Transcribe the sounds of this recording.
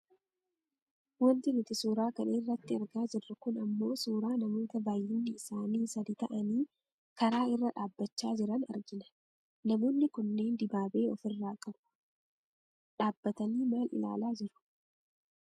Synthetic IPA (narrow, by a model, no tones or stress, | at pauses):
wɔnt̪ɪnʊt̪ɪsuːɾaːkɐneːrːɐt̪ːɪɐɾɡaːd͡ʒɪrːɐkʊnɐmːo̞ːsuːɾaːnɐmo̞ːt̪ɐbaːjːɪnːɪɪsaːniːsɐd̪it̪ɐʔɐniː | kɐɾaːɪrːɐᶑaːbːɐt͡ʃːaːd͡ʒɪɾɐnɐ̰ɾd͡ʒɪnɐ̥ | nɐmo̞ːnːɪkʊnːe̞ːnd̪ɪbaːbe̞ːɔfɪrːaːkʼɐbʊ̥ | ᶑaːbːɐt̪ɐniːmaːlɪ̰la̰ːlaːd͡ʒɪɾʊ̥